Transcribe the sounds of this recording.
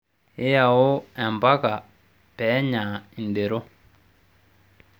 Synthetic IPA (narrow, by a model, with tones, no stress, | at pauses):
e˦ja˨wo˦ɛ˨mba˦ka˨ | pɛ˨˦ɲa˨i˨nde˨ɾɔ˦